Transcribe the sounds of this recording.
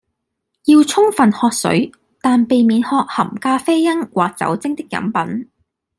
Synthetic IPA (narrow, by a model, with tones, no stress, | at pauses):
jiː˧wt͡sʰʊ˥ŋfɐ˨nhɔː˧k̚sɵ̰˨˥ɥ | t̪aː˨npe˨jmiː˨˥nhɔː˧k̚hɐ˨˩mkaː˧fe˥jjɐ˥ŋwaː˨k̚t͡sɐ̰˨˥wt͡sɪ˥ŋt̪ɪ˥k̚ːjɐ̰˨˥mpɐ˨˥n